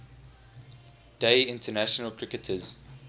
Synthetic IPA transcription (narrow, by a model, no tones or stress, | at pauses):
d̥eɪɪ̃ntʰənæʃɔnəlˠkʰɹ̥ɪkətʰəz